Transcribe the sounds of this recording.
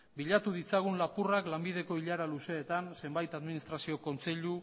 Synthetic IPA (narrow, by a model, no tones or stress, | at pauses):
biʎat̪uðit͡saɣ̞unlapuraklambið̞e̞ko̞iʎaɾaluse̞ːt̪anse̞mbajt̪aðminist̪ɾasio̞ko̞nt͡se̞ʎu